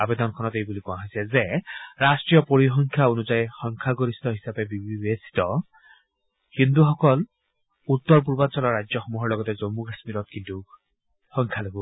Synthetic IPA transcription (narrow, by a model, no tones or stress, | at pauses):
abed̪ɔnkʰɔnɔt̪ejbulikũãɦɔjsɛzeɾasʈɹijɔpoɹixɔŋkʰjaonuzajxɔŋkʰaɡoɾist̪ɔɦisabebibbesi̥t̪ɔ | kind̪uxɔkɔl | ut̪ːɔɹp̬uɾbant͡ʃɔlɔɾad͡ʒjɔxɔmuɦɔɹlɔɡɔt̪ezomːukasmiɾɔt̪̚kint̪u | xɔŋkʰjaloɡu